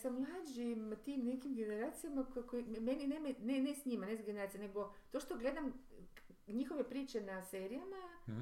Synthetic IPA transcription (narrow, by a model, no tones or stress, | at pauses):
samlˠaːd͡ʒimt̪imne̞kimɡe̞ne̞ɾaːt̪sijamakkomeninemenenesɲimanesɡeneɾaːt̪ijane̞ɡo̞t̪o̞ʃt̪o̞ɡle̞d̪am | ɲixo̞ʋe̞pɾiːt͡ʃe̞nase̞ːɾijama